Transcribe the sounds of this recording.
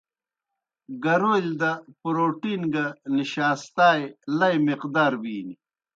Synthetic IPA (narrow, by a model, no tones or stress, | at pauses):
ɡɐɾoːld̪ɐpɾoːʈiːnɡɐniɕaːst̪aːjlɐjmiqd̪aːɾbiːni